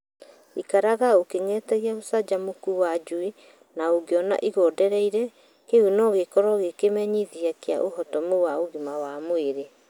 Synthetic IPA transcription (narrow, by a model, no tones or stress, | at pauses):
ikaɾaɣaokeŋɛtɛɣiaosad͡ʒamokuwad͡ʒue | naoɡeɔna̰ʔiɣɔdɛɾɛiɾɛ | keunɔɣekɔɾɔɣekemɛɲiðiakea̰ʔoɦɔtɔmowaoɣimawamoeɾe